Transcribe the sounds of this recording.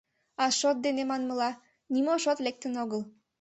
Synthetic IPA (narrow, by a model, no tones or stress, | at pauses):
ɑʃot̪̚d̪enemɑnməlɑ | nimoʃot̪lek̚t̪ənoɣəl